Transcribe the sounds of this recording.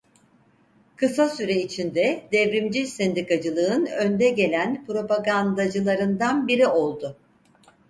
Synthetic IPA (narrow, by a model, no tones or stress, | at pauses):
kʰɯsasyɾɛit͡ʃʰind̪ɛd̪ɛvɾimd͡ʒisɛnd̪ikad͡ʒɯlˠɯɯnønd̪ɛɟe̞lʲænpɾo̞paɡand̪ad͡ʒɯlˠaɾɯnd̪anbiɾio̞lˠd̪ʊ